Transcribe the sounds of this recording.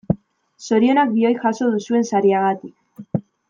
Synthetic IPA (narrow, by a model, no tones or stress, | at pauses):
so̞ɾio̞nak̚bio̞jʝaso̞ðusue̞nsaɾiaɣat̪ik